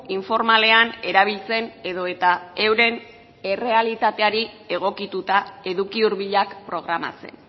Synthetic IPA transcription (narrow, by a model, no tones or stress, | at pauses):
iɱfo̞ɾmale̞ane̞ɾaβ̞ilt͡se̞ne̞ðo̞e̞t̪ae̞wɾe̞n | e̞re̞alit̪at̪e̞aɾi | e̞ɣ̞o̞kit̪ut̪ae̞ðukiuɾβiʎakpɾo̞ɣ̞ɾama̰t͡se̞̰n